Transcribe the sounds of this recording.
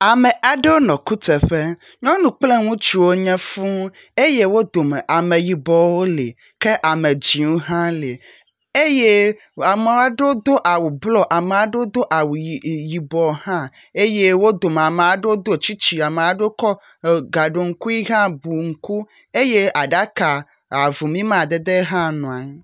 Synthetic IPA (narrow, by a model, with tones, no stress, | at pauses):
a˨mɛ̃˨ʔa˦ɖe˦wo˦nɔ̃˨ku˦t̪ɛ˨ɸe˦ | ɲɔ̃˦nũ˨k͡ple˦ŋũ˦t͡ʃi˨wo˦ɲɛ̃˦fũ˦ | e˦je˦wo˦d̪o˨me˨ʔa˨mẽ˨ji˨bɔ˨wo˦lḛ˨ | ke˦ʔa˨me˨d͡ʑĩ˨wo˦ɦã˦le˨ | e˦je˦ | a˨me˨wa˦ɖe˦o˦d̪o˦ʔa˨wu˨blɔ˦ʔa˨me˨a˨ɖe˦o˦d̪o˦ʔa˨wu˨ji˨bɔ˨˦ɦã˦ | e˦je˦wo˦d̪o˨m˨a˨me˨a˨ɖe˦o˦d̪o˦˨t͡ɕi˦t͡ɕi˨a˨me˨a˨ɖe˦kɔ˦˨ | ɡa˨ɖo˨ŋ̩˦ku˦i˦ɦã˦bu˨ŋ̩˨ku˦ | e˦je˦ʔa˨ɖa˦ka˨ | a˨vu˨mĩ˦mã˦˨d̪e˨d̪e˦ɦã˦nɔ̃˨a˨ɲ˦